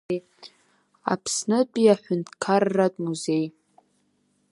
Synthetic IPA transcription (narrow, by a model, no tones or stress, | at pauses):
a̰pʰsnɨpʼiaħʷᶣʊntʰkʰarːatʼmuze̞j